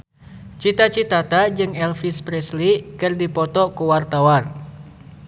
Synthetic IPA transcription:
t͡ʃit̪at͡ʃit̪at̪ad͡ʒɨŋɛlfispɾɛslikɨrdipɔt̪ɔkuwart̪awar

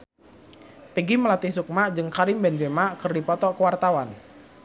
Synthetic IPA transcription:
piɡiməlat̪isuk̚mad͡ʒɨŋkaɾɪŋbɛnd͡ʒemaʔkɨrdipɔt̪ɔkəwart̪awan

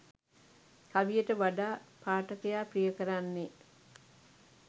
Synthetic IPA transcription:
kaʋijəʈəʋaɖaːpaːʈəkəjaːprijəkəɾanːe

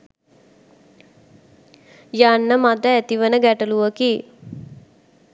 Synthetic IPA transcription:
janːəmad̪əæt̪iʋənəɡæʈəluʋəki

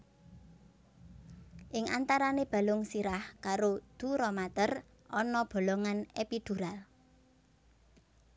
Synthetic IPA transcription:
ʔɪŋa̰nt̪aɾaneb̥a̤lʊŋsiɾahkaɾod̪̥uɾɔmat̪ər | ʔɔnɔb̥o̤loŋanepid̪̥uɾal

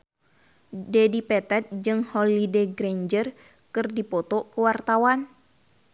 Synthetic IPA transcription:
dɛdipɛt̪ɛt̪̚d͡ʒɨŋhɔlideɡɾɛɲd͡ʒər | kɨrdipɔt̪ɔkəwart̪awan

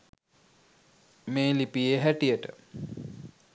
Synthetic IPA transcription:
meːlipijeɦæʈijəʈə

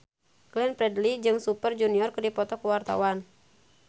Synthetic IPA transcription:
klɛnpɾɛdlid͡ʒɨŋsupərd͡ʒuniɔrkɨrdipɔt̪ɔkuwart̪a̰wan

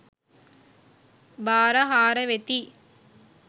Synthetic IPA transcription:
baːɾɐɦaːɾɐʋet̪i

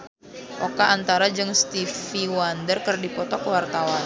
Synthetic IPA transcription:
ʔokaːnt̪aɾad͡ʒɨŋst̪ifiwandərkərdipɔt̪ɔkwart̪awan

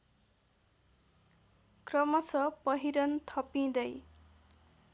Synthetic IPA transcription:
krʌmʌsʌpʌɦiɾʌnt̪ʰʌpĩd̪ʌj

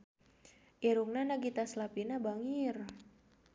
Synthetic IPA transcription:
ʔiɾuŋnanaɡit̪aslapinabaŋir

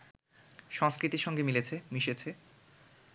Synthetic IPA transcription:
ʃɔŋskɾit̪iɾʃɔŋɡemilet͡ɕʰemiʃet͡ɕʰe

